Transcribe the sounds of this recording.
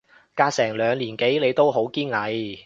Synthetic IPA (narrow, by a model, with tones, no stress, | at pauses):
kaː˧k̚sɛː˨˩ŋlœː˨˧ŋliː˨˩nke˨˥jle˨˧jt̪o˥wɦo˨˥wkiː˥nŋɐ˨˧j